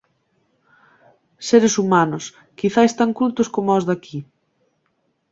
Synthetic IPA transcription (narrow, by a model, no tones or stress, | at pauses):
seɾesumanʊs | kiθaest̪aŋkut̪ʊskomʊɔzðakʰi